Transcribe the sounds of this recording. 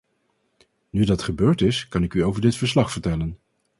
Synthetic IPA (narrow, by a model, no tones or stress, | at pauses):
nydɑtχəbøːɹtɪskɑnɪkyowvəɹdɪtfəɹslɑχfəɹtɛlən